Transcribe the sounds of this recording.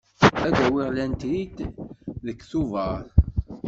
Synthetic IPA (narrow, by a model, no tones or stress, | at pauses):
æðæwiʁlænt̪ɾit̪ðəkːθuvəɾˤ